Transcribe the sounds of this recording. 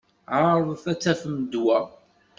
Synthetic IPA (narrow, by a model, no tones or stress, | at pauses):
ʕaɾˤðθæt͡sːæfəmd̪wæ